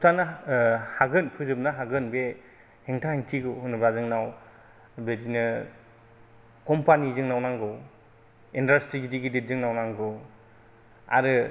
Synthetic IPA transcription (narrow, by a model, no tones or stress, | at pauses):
tʰanahaɡɯnpʰɯzɯp̚naɦaɡɯnbe | heŋtʰaheŋtʰiɡɯwhunɯbazɯŋnaw | bedinɯ | kɔmpanizɯŋnawnaŋɡɯw | indastiɡidiɡidezɯŋnawnaŋɡɯw | a̰ɾɯ